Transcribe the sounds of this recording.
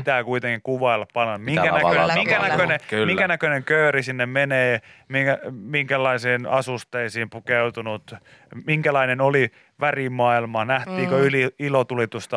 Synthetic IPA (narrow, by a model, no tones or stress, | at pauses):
t̪æːkuit̪eŋkikuʋɑilːɑppɑnonmiŋkænækønemiŋkænækønemiŋkænækøneŋkøyrisinːemmeneːmiæmiŋkælːˑɑisiːnɑsust̪eisiːmpukeut̪unut̪ | miŋkælɑinenoli | ʋærimɑilmɑnæht̪iːkoyliilot̪ulit̪ust̪ɑ